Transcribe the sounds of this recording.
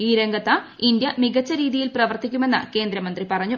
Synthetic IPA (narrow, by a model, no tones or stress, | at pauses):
iːɾeŋɡɐt̪ːɐ | ind̪jɐmiɣɐt͡ɕːɐɾiːðijilprɐʋɐrt̪ikʲːume̞nːɐ̰ke̞ːnd̪ɾɐmɐnd̪ripɐrɐɲːu